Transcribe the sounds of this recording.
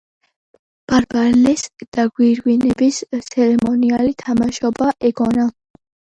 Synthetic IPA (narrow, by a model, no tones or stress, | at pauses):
b̥aɾbaɾlɛsd̪̥aɡwiɾwinɛbist̪sʰɛɾɛmɔnialit̪ʰamaʃɔbaʔɛɡɔna